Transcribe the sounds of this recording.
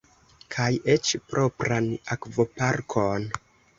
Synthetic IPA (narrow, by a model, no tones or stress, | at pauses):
kʰajet͡ʃpɾʔo̞pɾanakvo̞paɾkʰon